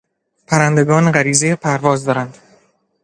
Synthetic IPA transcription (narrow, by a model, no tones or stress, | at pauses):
pʰæɾænd̪e̞ɡɒːneɢæɾiːzejepʰæɾvɒːzd̪ɒːɾænd̪̥